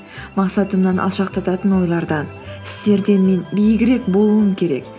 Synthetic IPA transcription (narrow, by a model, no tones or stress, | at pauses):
mɑqsɑt̪əmnɑnʔɑ̰lˠʃɑq̚t̪ʰɑt̪ɑt̪ənwo̞jlˠɑɾd̪ɑn | ɪ̥st̪e̞ɾd̪e̞nme̞nbejɪɡʲɪɾe̞kbo̞lˠuəmkʲʰe̞ɾe̞̰k̚